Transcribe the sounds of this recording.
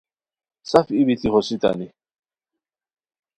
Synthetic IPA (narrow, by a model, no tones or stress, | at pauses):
safibitixɔsita̰nɪ